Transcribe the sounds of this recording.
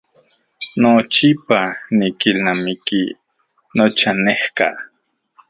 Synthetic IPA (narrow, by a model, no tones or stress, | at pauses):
not͡ʃipanikilnamiki | not͡ʃanehka̰